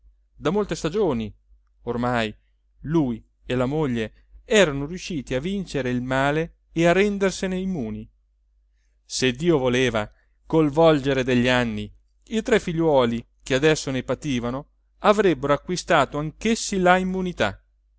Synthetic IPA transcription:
d̪amolt̪est̪ad͡ʒoːni | ormaj | luj | elamoʎːe | ɛːɾanoɾjuʃːiːt̪iavint͡ʃeɾeilmaːleː | arːɛnd̪erseneimːuːni | sed̪ːiːovoleːva | kolvɔld͡ʒeɾed̪eʎːianːi | it̪ɾɛfːiʎːwɔːli | kead̪ɛsːonepat̪iːvano | avɾɛbːeɾoakwist̪aːt̪oaŋkesːilaimːunit̪a̰

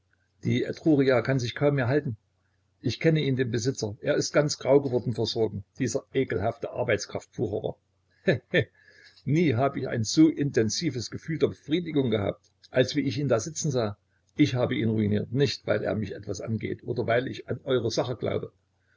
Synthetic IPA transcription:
d̥iːʔɛ̰tʁ̥uːʁiaːkʰanzɪçkʰaʊmːeːɐɦaltn̩ | ʔɪçkʰɛnəiːndeːmbəzɪt͡sɐʔeːɐɪst̚ɡ̥ant͡sɡ̥ʁaʊɡəvɔɐdn̩fɛɐzɔɐɡŋ̩d̥iːzɐʔeːkl̩haftəʔa̰ɐbaɪt͡skʁ̥aftfuːʁəʁɐ̰ | hɛɛ | niːɦaːbəɪça̰ɪnzoːʔɪntʰɛnziːvəsɡ̥əfyːldeːɐbəfʁ̥iːdɪɡʊŋɡəha̰ːp̚t | ʔalsv̥iːɪçiːndaːzɪt͡sn̩zaː | ʔɪçhaːbəʔiːnʁuinḭːɐtnɪçtvaɪlʔḛːɐmɪçʔɛtv̥asʔa̰nɡḛːtʔo̰ːdɐvaɪlɪçanʔɔʏʁəzaχəɡ̥la̰ʊbə

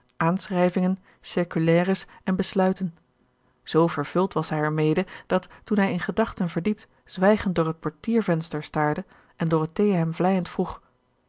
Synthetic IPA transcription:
ʔaːnsrɛjvɪŋən | sɪɹkylɛːrəsɛnbəslœɥtən | z̥owvəɹv̥ɵlˠtʋɑsɦɛjɛɹmejdəd̥ɑtːunɦɛjɪnχədɑχtənvəɹdip̚t | z̥ʋɛjχənt̚dʊːɹɦət̚pɔɹtiːɹvɛnstəɹstaːɹdə | ʔɛndʊːɹɦətejəɦɛmvlɛjəntfruχ

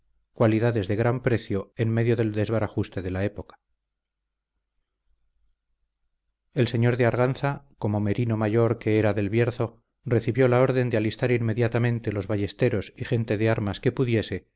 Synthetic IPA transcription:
kwaliðaðe̞zðe̞ɣɾampɾe̞θjo̞e̞nme̞ðjo̞ðe̞ld̪e̞zβaɾaχust̪e̞ðe̞lae̞po̞kḁ | e̞lse̞ɲo̞ɾðeaɾɣanθako̞mo̞me̞ɾino̞maʝo̞ɾke̞eɾaðe̞lβjeɾθo̞ | re̞θiβjo̞lao̞ɾðe̞nd̪ealist̪aɾinme̞ðjat̪amẽ̞nt̪e̞lo̞zβaʝe̞st̪e̞ɾo̞sixe̞nt̪e̞ðe̞aɾmaske̞puðje̞se̞

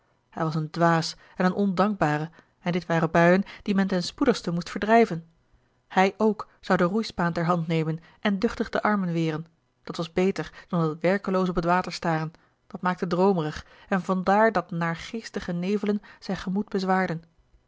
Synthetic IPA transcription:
hɛjʋɑsəndʋaːs | ɛnənʔɔndɑŋɡ̚baːʁə | ɛndɪtʋaːʁəbœɥənd̥imɛntɛnspudəχstəmustfəɹdʁɛjvən | hɛjʔowk | z̥ɑwdərujspaːntɛɹɦɑntnejmən | ʔɛndɵχtəχdəʔɑɹmənʋɪːʁən | d̥ɑtʋɑzbejtəɹd̥ɑnɑtʋɛɹkəlowsəɔp̬ətʋaːtəɹstaːʁən | d̥ɑt̚maːk̚tədʁowməʁəχ | ɛnvɑndaːɹdɑtnaːɹχejstəχənejvələnz̥ɛjnχəmud̚b̥əzʋaːɹdən

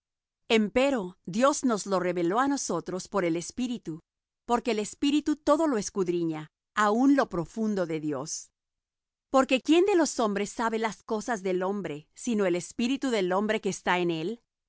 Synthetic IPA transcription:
e̞mpe̞ɾo̞ðjo̞zno̞zlo̞re̞βe̞lo̞ano̞so̞t̪ɾo̞spo̞ɾe̞le̞spiɾit̪u | po̞ɾkeːlespiɾit̪ut̪o̞ðo̞lo̞eskuðɾiɲa | aunlo̞pɾo̞fund̪oðe̞ðjo̞̰s | po̞ɾke̞kje̞nd̪e̞lo̞so̞mbɾe̞sːaβe̞lasko̞sazðelo̞mbɾe̞sino̞ele̞spiɾit̪uðe̞lo̞mbɾe̞keːst̪aene̞l

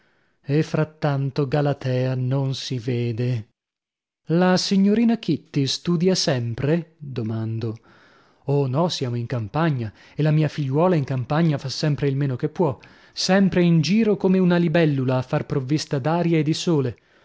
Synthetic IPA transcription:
efɾat̪ːant̪oɡalat̪ʰɛːanonsiveːd̪e | lasiɲːoɾiːnakit̪ːist̪uːd̪jasɛmpɾed̪omand̪o | onɔsjaːmoiŋkampaɲːa | elamiːafiʎːwɔːlaiŋkampaɲːafasːɛmpɾeilmeːnokepːwɔ | sɛmpɾeind͡ʒiːɾokomeunalibɛlːulaːfːarpɾovːist̪ad̪aːɾjaed̪ːisoːle

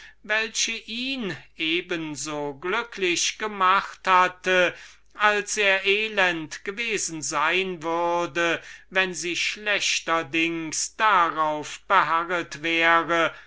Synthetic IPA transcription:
vɛlɕəʔiːnʔeːbənzoːɡlʏkʰlɪɕɡ̥əmaχthatə | ʔalseːɐʔeːlɛntɡ̥əveːzn̩zaɪnvʏʁdəvɛnziːʃlɛɕtɐdɪŋsd̥aʁaʊfb̥əɦaʁətv̥ɛːʁə

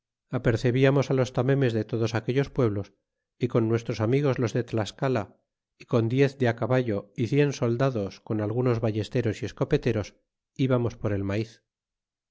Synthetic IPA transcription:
ape̞ɾθe̞βiamo̞salo̞st̪ame̞me̞zðe̞t̪o̞ðo̞sake̞ʎo̞spwe̞β̞lo̞s | iko̞nːwe̞st̪ɾo̞samiɣ̞o̞zlo̞zðe̞t̪laskala | iko̞nd̪je̞θd̪eakaβaʝo̞iθje̞nso̞ld̪aðo̞sko̞nalɣ̞uno̞zβaʝe̞st̪e̞ɾo̞sie̞sko̞pe̞t̪e̞ɾo̞s | iβamo̞spo̞ɾe̞lmaiθ

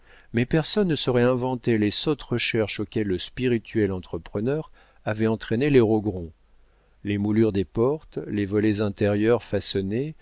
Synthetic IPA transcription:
mɛpɛʁsɔnːəsɔʁɛɛ̃vɑ̃t̪elesot̪ʁəʃɛʁʃokʲɛlːəspiʁit̪ʰɥɛlɑ̃t̪χəpχənœʁ | avɛɑ̃t̪χɛneleʁoɡʁɔ̃ | lemulyʁd̪epɔʁt̪levɔlɛzɛ̃t̪ɛʁjœʁfasɔne

